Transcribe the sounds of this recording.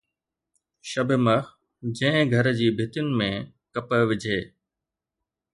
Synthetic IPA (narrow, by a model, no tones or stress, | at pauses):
ʃɐbʱɪmə | d͡ʑɐ̃ɦɪ̃ɡʱɐɾd͡ʑiːbʱɪt̪jʊnɪ̆mẽ | kɐpəʋɪd͡ʑʱeː